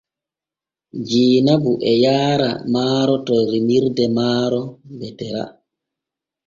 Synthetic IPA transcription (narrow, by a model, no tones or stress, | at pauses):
d͡ʒiːnabuʔɛjaːɾa̰maːɾɔtɔjɾimiɾdɛmaːɾɔbɛtɛɾa̰